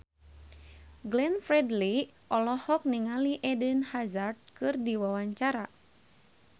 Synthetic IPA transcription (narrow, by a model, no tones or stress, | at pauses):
ɡlɛnfɾɛdli | ʔɔlɔhɔk̚niŋaliʔɛdənhazard̪̚kɨrdiwawaɲt͡ʃaɾa